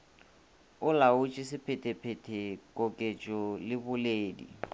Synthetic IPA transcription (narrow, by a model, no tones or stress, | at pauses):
ʊlaʊt͡ʃʼisɪpʰɛtʼɛpʰɛtʼʰɛkʼokʼet͡ʃʼɔlɪbʊleːdḭ